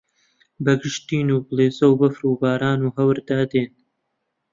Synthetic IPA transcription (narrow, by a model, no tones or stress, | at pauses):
bɐɡɨʃt̪iːnuːblˠeːzɐwbɐfɾuːbaːɾaːnuːɦɐwɾd̪aːd̪eːn